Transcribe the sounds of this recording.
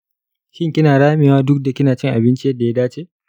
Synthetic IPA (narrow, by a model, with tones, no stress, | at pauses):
ʃɪ˦ŋkʲɪ˦naː˨ɽaː˦mɪ˨waː˦dʊ˦k̚da˨kʲɪ˦naː˨t͡ʃɪ˦ŋʔa˨bɪ˦nt͡ʃi˦jɐ˦dːa˨ja˦daː˦t͡ʃeː˦